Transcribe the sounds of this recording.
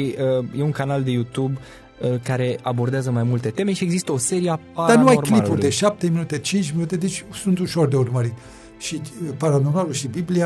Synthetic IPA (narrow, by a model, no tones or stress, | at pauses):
iəjeuŋkanald̪e̞jut̪ub | əkaɾe̞ʔabo̞rd̪eazəmajmult̪e̞t̪e̞me̞ʃie̞ɡzist̪əo̞se̞ɾieapad̪anuajorklilpurd̪eʃap̚t̪e̞minut̪e̞t͡ʃint͡ʃʲminut̪e̞d̪et͡ʃʲsunt̪uʃo̞rd̪e̞urməɾi | ʃipaɾano̞rmaluʃibiblia